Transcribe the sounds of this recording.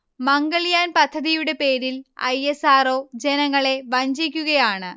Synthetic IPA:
mɐŋɡɐɭijaːnpɐd̪ʱːɐðijuɽe̞pe̞ːɾilɐ̰jesaːro̞ːd͡ʑe̞nɐŋːɐɭe̞ʋɐɲd͡ʑikʲːuɣɐjaːɳɨ

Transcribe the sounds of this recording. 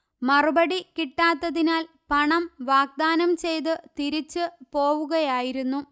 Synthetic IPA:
mɐrubɐɽikiʈːaːt̪ːɐðinaːl | pɐɳɐmʋaːɡ̚d̪aːnɐmt͡ɕe̞jt̪̬ɨt̪iɾit͡ɕːɨpo̞ːʋuɣɐjaːjiɾunːu

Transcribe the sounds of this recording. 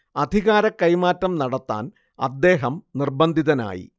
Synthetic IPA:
ɐd̪ʱiɣaːɾɐkːɐjmaːtːɐmnɐɽɐt̪ːa̰ːn | ɐ̰d̪ːe̞ːɦɐmnirbɐnd̪ʱiðɐna̰ːjḭ

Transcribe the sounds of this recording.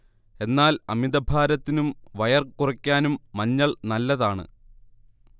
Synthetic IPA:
e̞nːaːlɐmid̪ɐbʱaːɾɐt̪ːinumʋɐjɐrkurɐkʲːaːnumːɐɲːɐɭnɐlːɐðaːɳɨ̰

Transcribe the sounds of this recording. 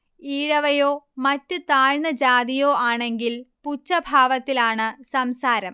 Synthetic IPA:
iːɻɐʋɐjo̞ːmɐtːɨt̪aːɻɳɐd͡ʑaːd̪ijoːaːɳe̞ŋɡilput͡ɕːɐbʱaːʋɐt̪ːilaːɳɨsɐmsaːɾɐm

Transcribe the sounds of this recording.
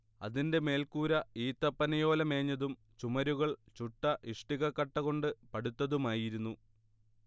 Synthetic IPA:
ɐ̰ðinde̞me̞ːlkuːɾɐiːt̪ːɐpːɐnɐjo̞ːlɐme̞ːɲːɐðum | t͡ɕumɐɾuɣɐɭt͡ɕuʈːɐʔiʂʈiɣɐkːɐʈːɐɣo̞ɳɖɨpɐɽut̪ːɐðumaːjiɾunːu

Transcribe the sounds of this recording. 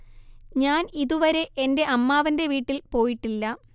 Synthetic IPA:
ɲaːniðuʋɐɾe̞ʔende̞ʔɐmːaːʋɐnde̞ʋiːʈːilpo̞ːjiʈːilːɐ

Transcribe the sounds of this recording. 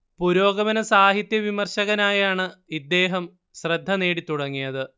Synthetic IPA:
puɾo̞ːɡɐʋɐnɐsaːɦit̪jɐʋimɐrɕɐɣɐnaːjaːɳɨid̪ːe̞ːɦɐm | ɕrɐd̪ʱːɐne̞ːɽit̪ːuɽɐŋːijɐðɨ

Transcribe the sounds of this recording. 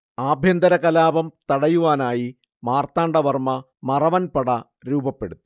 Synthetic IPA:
aːbʱjɐnd̪ɐɾɐkɐlaːbɐmt̪ɐɽɐjuʋaːnaːji | maːrt̪aːɳɖɐʋɐrmɐ | mɐrɐʋɐnpɐɽɐ | ɾuːbɐpːe̞ɽut̪ːu̥

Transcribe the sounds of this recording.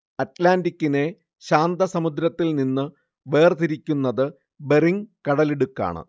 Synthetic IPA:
ɐtlaːndikʲːine̞ | ɕaːnd̪ɐsɐmud̪ɾɐt̪ːilninːɨ | be̞ːrt̪iɾikʲːunːɐðɨ | beriŋkɐɽɐleɽukːa̰ːɳɨ̰

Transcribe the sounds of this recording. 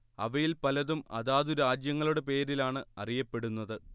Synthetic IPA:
ɐ̰ʋɐjilpɐlɐðumɐ̰ðaːðuɾaːd͡ʑjɐŋːɐɭuɽe̞p̬e̞ːɾilaːɳɨɐrijɐpːe̞ɽunːɐðɨ

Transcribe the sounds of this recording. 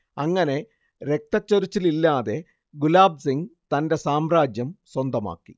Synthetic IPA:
ɐŋːɐne̞ | ɾe̞k̚t̪ɐt͡ɕːoɾit͡ɕːililːaːðe̞ | ɡulaːb̚siŋɡt̪ɐnde̞saːmraːd͡ʑjɐmswɐnd̪ɐma̰ːkːi

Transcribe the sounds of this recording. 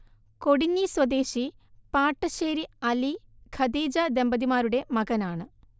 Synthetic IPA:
ko̞ɽiɲːiswɐd̪e̞ːɕipaːʈːɐɕeːɾiɐliɡʰʱɐd̪iːd͡ʑɐd̪embɐd̪imaːɾuɽe̞mɐɣɐnaːɳɨ

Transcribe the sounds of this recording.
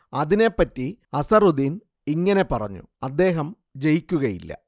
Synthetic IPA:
ɐðine̞pːɐtːiɐsɐrud̪in | iŋːɐne̞pɐrɐ̰ɲːṵɐd̪ːe̞ːɦɐm | d͡ʑejikʲːuɣɐjḭlːɐ̰

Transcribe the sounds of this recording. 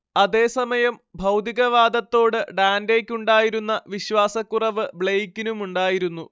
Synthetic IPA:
ɐðe̞ːsɐmɐjɐmbʱɐwt̪iɣɐʋaːd̪ɐt̪ːo̞ːɽɨɖaːnde̞ːkʲːuɳɖaːjiɾunːɐʋiɕʋaːsɐkːurɐʋɨbɭejkːinumuɳɖaːjiɾunːu

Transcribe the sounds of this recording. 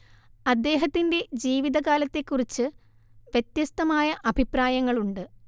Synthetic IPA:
ɐd̪ːe̞ːɦɐt̪ːinde̞d͡ʑiːʋiðɐkaːlɐt̪ːe̞kːurit͡ɕːɨ | ʋjet̪jɐst̪ɐmaːjɐʔɐbʱipraːjɐŋːɐɭuɳɖɨ

